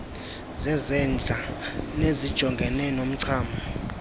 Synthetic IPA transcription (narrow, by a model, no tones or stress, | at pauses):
zɛzɛnd͡ɮʱanezid̥ʒ̥ʱɔŋɡʱɛnɛnom̩ǀʰaːmbʱɔ